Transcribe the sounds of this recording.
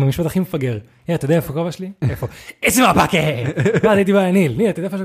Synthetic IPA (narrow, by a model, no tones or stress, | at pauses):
mamiʃpat̪aχimefaɡeʁ | jet̪jdeaefokovaʃliefoezimapakeazait̪̬ibaanilnilt̪od̪eaefoe